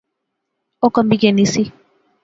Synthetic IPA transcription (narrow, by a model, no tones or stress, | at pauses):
ɔkambikɛnisi